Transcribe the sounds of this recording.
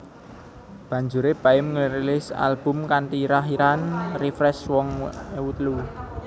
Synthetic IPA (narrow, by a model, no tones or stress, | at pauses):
b̥a̤ɲd͡ʒuɾeb̥aɪmŋəɾilɪsa̰lb̥ʊ̤mkant̪iɾaɦiɾanrifɾɛswɔŋwut̪lu